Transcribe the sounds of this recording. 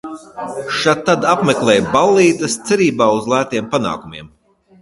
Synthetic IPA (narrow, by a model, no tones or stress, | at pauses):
ʃat̪ːad̪apmeklˠɛːjbalˠːiːt̪ɐst̪sɛɾiːbaːuzlˠæːt̪iɛmpana̰ːkumiɛm